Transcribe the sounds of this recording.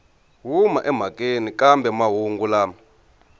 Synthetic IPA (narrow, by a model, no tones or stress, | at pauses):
ɦumaʔɛm̤akʼenikambɛmaɦuŋɡulaː